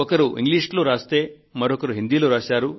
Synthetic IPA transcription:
ɔkɐɾuḭŋɡliːʂʈloːɾaːst̪eː | mɐɾɔkɐɾuɦind̪iːloːɾaːsaːɾu

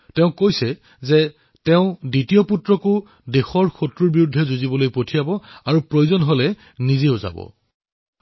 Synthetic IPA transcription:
tɛʊ̃kojsɛ | zɛ | tɛʊ̃ditijɔputɹɔkʊ | dexɔɹxʰotɹuɹbiɹudʱːɛzuzibɔlojpotʰijabɔaɹupɹojuzɔnɦolɛ | nizeʊza̰bɔ̰

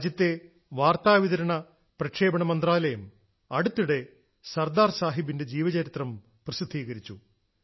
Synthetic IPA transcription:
d͡ʑjɐt̪ːe̞ | ʋaːrt̪aːʋiðɐɾɐɳɐ | prɐkʂeːbɐɳɐmɐnd̪raːlɐjɐm | ɐɽut̪ːuɽe̞ | sɐrd̪aːrsaːɦibinde̞d͡ʑiːʋɐd͡ʑɐɾit̪rɐm | prɐsid̪ʱːiːɣɐɾit͡ɕːu

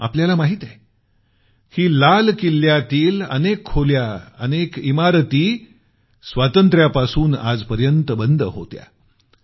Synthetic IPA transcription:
a̰pljalamaɦiːt̪ɛ | kiːlalkilːjat̪iːlə̰nekʰːoljaənekimaɾt̪iː | sʋat̪ənt̪ɾjapasuːna̰d͡zpəɾjənt̪əbənd̪əɦo̰t̪ja̰

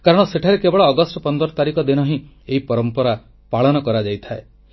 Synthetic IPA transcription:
kaɾɔɽ̃ɔseʈʰaɾekebɔɭɔːɡɔsʈɔpɔnd̪ɔɾɔt̪aɾikɔd̪inɔɦĩ | eɦipɔɾɔmpɔɾa | paɭɔnɔkɔɾad͡ʒajt̪ʰae

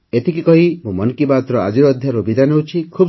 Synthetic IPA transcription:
et̪ʰikikɔɦimũmɔnkibat̪ɾɔa̰d͡ʒiɾɔd̪ʱjaɾubid̪anewt͡ʃʰikʰub

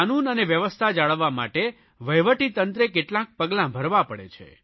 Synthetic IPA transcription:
anunəneʋjəʋəst̪ʰad͡ʒaɭəʋːama̰ʈe | ʋəjʋəʈit̪ənt̪ɾekeʈlãk̚pəɡlãbʱəɾʋapəɽḛt͡ʃʰḛ

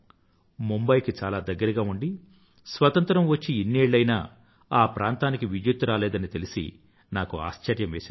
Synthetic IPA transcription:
mumbɐjkit͡ʃaːlaːd̪ɐɡːɐɾɐɡaːuɳɖi | sʋɐt̪ɐnt̪ɾɐmʋɐt͡ʃːiinːeːɭːɐjna̰ː | aːpɾʔaːnt̪aːnikiʋid͡ʒjut̪ːuɾaːlɛːd̪ɐnit̪elisḭ | naːkua̰ːʃt͡ʃɐɾjɐmʋeːsi

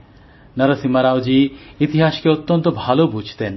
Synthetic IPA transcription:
nʌɾosimaɾawd͡ʒiit̪iɦasɔ̥keot̪ːɔnt̪ɔbʱalobud͡ʒʱt̪en

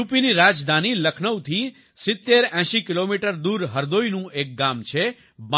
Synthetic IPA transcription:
upiniɾad͡ʒd̪ʱaniləkʰnəwt̪ʰi | sɪt̪ːeɾɛ̃ʃikilomiʈəɾd̪uɾɦəɾd̪ojnũek̚ɡamt͡ʃʰe | b

